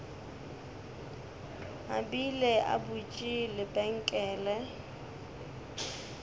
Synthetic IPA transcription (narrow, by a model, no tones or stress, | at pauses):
ɦa̰bilɛʔa̰but͡ʃʼilɪpʼɛŋ̩kʼɛːlɛ